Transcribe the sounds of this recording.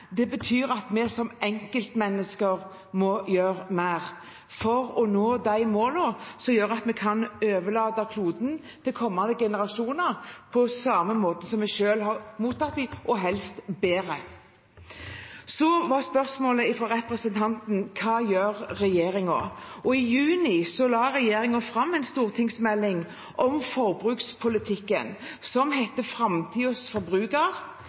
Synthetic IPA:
d̪ɛbət̪ʰyːɾɑt̪mɛsɔmʔɛŋkəlt̪mɛnːəskəɾ | mɔjøːɾmæɪʁ | fɔɾɔnoːd̪æɪmoːlosɔmjøːɾɑt̪mɛkʰɑnøːʋəɭɑːd̪ɑkʰluːd̪n̩ | t̪ʰɪlkʰɔmːɑnd̪əɡɛnəɾɑʃuːnəɾpʰɔsɑməmoːt̪əsɔmːɛʃøːlhɑɾmuːt̪ʰːɑt̪d̪ɪʔɔɦɛlst̪beːɾə | sɔʋɑʁspœʁsmoːləɪfɾɔːɾɛpɾəsənt̪ʰɑnt̪nkʰɑːjøːɾːɛjeːʁɪŋʊɔɪjʉːnɪsɔlɑːɾɛjeːɾɪŋʊfɾɑmːɛɪnst̪uːʁt̪ʰɪŋsmɛlːɪŋ | ʔɔmfɔʁbɾʉːkspʰʊlɪt̪ʰɪkːə̰nsɔmɦɛt̪ːəfɾɑmt̪ʰiːɔsfɔɾbʁʉːkɑʁ

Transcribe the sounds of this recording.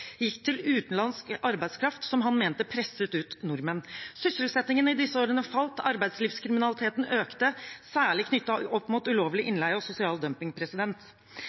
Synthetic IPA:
jɪkːt̪ʰɪlʉːt̪n̩lɑnskɑɾbæɪd̪skʰɾɑft̪sɔmɦɑnmeːnt̪əpʰɾɛsət̪ʉːt̪nʊɾmənsʏsəlsɛt̪nɪŋənəɪd̪ɪsːəoːɾənəfɑlt̪ɑɾbæɪsliːfskʰɾɪmɪnɑlɪt̪ʰeːt̪n̩ʔøːkt̪əsæːɭɪkʰnʏt̪ːɑɔpːmuːt̪ʉloːʋlɪʔɪnlæɪɔsʊsɪɑːld̪œmpɪŋpʰɾɛsɪd̪ɛnt̪

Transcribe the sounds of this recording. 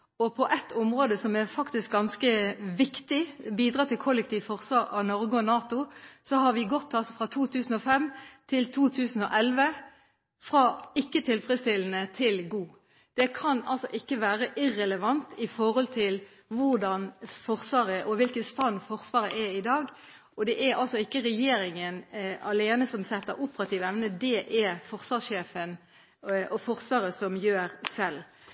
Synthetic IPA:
ɔpʰɔʔɛt̪ːʰʊmʁoːd̪əsɔmɛɾfɑkt̪ɪsk̚ɡɑnskəʋɪkt̪ɪbiːd̪ʁɑːt̪ʰɪlkʰɔlːək̚t̪ʰiːʋfɔʁsʋɑːɾɑʋnɔʁɡəɔnɑːt̪ʊsɔɦɑɾʋɪɡɔt̪ʰːɑlsɔfʁɑt̪ʰuːt̪ʰʉːsn̩ɔfɛmt̪ʰɪlt̪ʰuːt̪ʰʉːsn̩ɔ̰ʔɛlʋə | fɾɑːɪkːət̪ʰɪlfɾɛst̪ɪln̩ət̪ʰɪlɡuː | d̪̥ɛkʰɑnɑlsɔʔɪkːəʋæːɾəʔɪʁɛləʋɑnt̪ɪfɔɾhɔlt̪ʰɪl | ʋʊʁd̪ɑnfɔʁsʋɑːɾəʔɔʋɪlkəst̪ɑnːfɔʁsʋɑːɾəʔɛɪd̪ɑːɡ | ɔd̪ɛʔæɾɑlsɔɪkːəɾɛjeːɾɪŋənɑleːnəsɔmsɛt̪ːəɾʊpəɾɑt̪ʰiːʋɛʋnəd̪ɛʔɛfɔʁsʋɑːsʃeːfən | ɔfɔʁsʋɑːɾəsɔmjøːɾsɛlː

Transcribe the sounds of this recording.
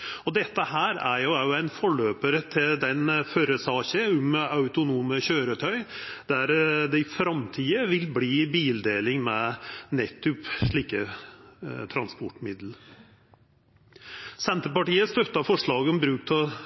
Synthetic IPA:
ɔd̪ɛt̪ːəhæːɾæ̰ɾjʊjʊæɪnfɔɭøːpəɾət̪ʰɪld̪ɛnfœɾəsɑːɕəʊmɑʉt̪ʊnuːməçøːɾət̪ʰœʏd̪̥æɾd̪ɛɪfɾɑmt̪ʰiːəʋɪlbliːbiːld̪eːlɪŋmɛnɛt̪ːʉpʂɭiːkə | t̪ʰɾɑnspɔʈmɪd̪l̩ | sɛnt̪əɾpɑʈiːəst̪œt̪ːɑfɔʂɭɑːɡəɔmbɾʉːk̚t̪ʰɔ

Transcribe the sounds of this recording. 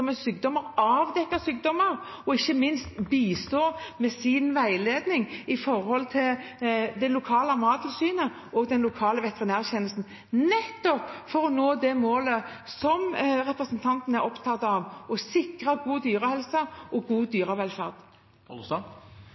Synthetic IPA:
ɔmɛsyːk̚d̪ɔməɾɑːʋd̪ɛkːəsyːk̚d̪ɔməɾ | ɔɪçːəmɪnst̪biːst̪oːmɛsɪnʋæɪleːd̪nɪŋɪfɔɾhɔlt̪ʰɪld̪ɛlʊkʰɑːləɑmɑːt̪lsyːnə | ɔɡd̪ɛnlʊkʰɑːləʋɛt̪ɛʁɪnæːʁçɛnəlst̪n̩ | nɛt̪ːɔpfɔɾɔnoːd̪ɛmoːləsɔmɾɛpɾʁəsənt̪ʰɑnt̪n̩æɾɔpt̪ʰɑt̪ːɑʋɔsɪkʁəɡuːd̪yːɾəhɛlsəʔɔɡuːd̪yːɾəʋɛlfæʁd̪̥

